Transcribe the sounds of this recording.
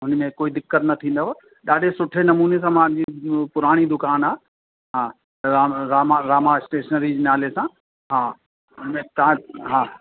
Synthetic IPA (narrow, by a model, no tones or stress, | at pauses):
ɦʊnmẽkoːid̪ɪkːət̪nɐt̪ʰĩːnd̪oʋo | ɗaːɗesʊʈʰenɐmuːnes̬ãːmãd͡ʑipʊɾaːɽ̃id̪ʊkaːnaː | ɦãː | aːɾaːmaɾaːmaɪsʈeːʃənəɾid͡ʑinaːlesã | ɦaː | mẽt̪ɐãɦaː